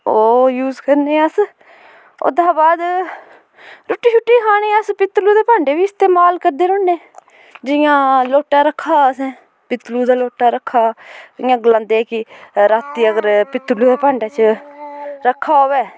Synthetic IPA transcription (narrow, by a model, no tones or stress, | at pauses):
oːjuːzkəɾneːəs | o̰ːd̪ãːbaːd̪ | ɾʊːʈːiːt͡ʃʰʊʈːiːkʰaːɽ̃eːəspɪt̪luːd̪eːpãːɳɖeːʋiːɪst̪eːmaːlkəɾd̪eːɾoːnːeː | d͡ʒɪjãːloːʈaːɾəkʰːaːsɛ̃ː | pɪt̪luːd̪aːloːʈaːɾəkʰːaːɪːãːɡəlãːnd̪eːɛːkɪɾaːt̪ːiːəɡəɾpɪt̪luːd̪aːpãːɳɖaːt͡ʃə | ɾəkʰːaːoːʋeː